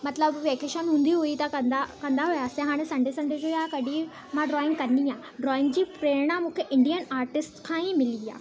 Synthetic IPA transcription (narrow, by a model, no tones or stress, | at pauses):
mɐt̪ləbʋeːkeːʃənɦũːn̆d̪iɦuit̪ɐkɐnd̪akɐ̃nd̪aɦujaːsẽɦaːɽ̃esɐ̃ɳɖesɐ̃ɳɖʱed͡ʑojakɐɖʱi | mãɖɾɔːɪ̃ŋɡkɐniãː | ɖɾɔːɪ̃ŋɡd͡ʑiːpɾeːɾɽ̃amũːkʰeʔɪ̃ɳɖijənaːɾʈɪsʈkʰãːĩmɪlija̰ː